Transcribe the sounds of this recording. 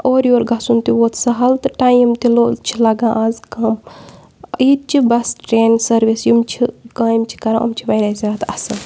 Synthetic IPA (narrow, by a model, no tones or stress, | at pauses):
oːɾjoːɾɡɐsunt̪iʋoːt̪ʰsɐɦɐlt̪ɨʈaːjimt̪iloːt͡ʃʰilɐɡãːʔaːzkɐm | it̪̚t͡ʃibɐsʈɾeːnʲsɐɾʋisjimt͡ʃʰikãːjimt͡ʃʰi̥kɐɾãːɐ̰mt͡ʃʰiʋɐjɾaːzʲaːt̪ɐsɨl